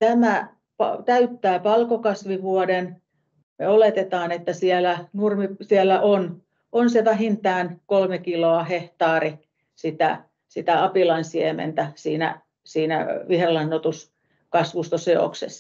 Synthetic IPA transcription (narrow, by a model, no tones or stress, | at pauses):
t̪æmæ | pɑ̰t̪æyt̪ːæːpɑlkokɑsʋiʋuoden | meolet̪et̪ɑːnet̪ːæsielænurmisielːæʔon | ʔonseʋæɦint̪ɑːnkolmekiloɑheht̪ɑːri | sit̪æ̰ | sit̪æɑpilɑnsiemḛnt̪æsiːnæ̰ | siːnæ̰ʋihrelɑnːot̪us | kɑsʋust̪oseo̰ksḛsː